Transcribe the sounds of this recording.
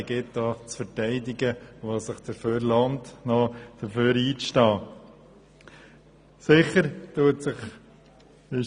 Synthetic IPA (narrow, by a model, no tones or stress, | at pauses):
ɡɪtdɑːt͡sfəɾtɛɪdɪɡəʋɑːsəχd̥̪əɾføːɾlɑntnɔd̥əɾføːɾiːt͡sʃtɑː | sɪχəɾtuətsɪχ | ɪ